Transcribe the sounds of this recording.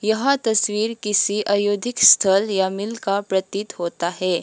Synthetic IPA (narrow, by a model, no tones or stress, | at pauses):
jɐɦat̪ɐswiːɾkɪsiʔɐjoːd̪ʱɪkst̪ʰəljamɪlkapɾɐt̪it̪hoːt̪aɦɛː